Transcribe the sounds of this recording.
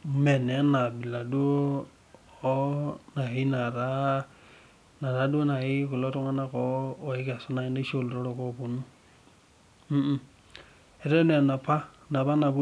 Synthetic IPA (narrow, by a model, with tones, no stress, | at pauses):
mɛ˨nɛ˨˦na˨bi˨la˨du˦o˦ | na˨i˦na˨ɾa˦ | na˨ɾa˦du˦o˦na˨i˦ku˨lɔ˦ɾɔ˦ŋa˦na˦kɔː˨˦˨i˦ka˨sɔ˦na˨˦i˦ne˦ʃo˦˨lɾɔ˦ɾɔ˨kɔ˦pu˨nu˦˨ | ɛ˨ɾɛ˦nɛ˨na˨pʰa˦ | na˨βa˦na˨bu˦